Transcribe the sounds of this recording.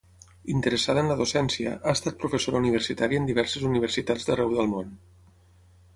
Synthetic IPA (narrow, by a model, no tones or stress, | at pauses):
int̪əɾəsaðənləðosɛnsiə̰ʔaəst̪at̪̚pɾufəsoɾauniβ̞ərsit̪aɾiənd̪iβɛɾsəzuniβ̞ərsit̪ad͡zðərɛwðəlˠmon